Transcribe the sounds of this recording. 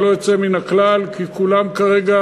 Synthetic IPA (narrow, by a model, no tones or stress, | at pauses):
lojot͡seminaklalkikulamkaʁeɡa